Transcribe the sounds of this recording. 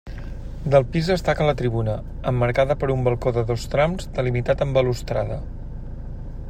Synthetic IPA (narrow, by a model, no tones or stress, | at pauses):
d̪əlˠpizðəst̪akələt̪ɾiβ̞unə | əmːəɾkaðəpəɾumbəlˠkoðəðost̪ɾamzt̪əlimit̪at̪əmbəlust̪ɾaðə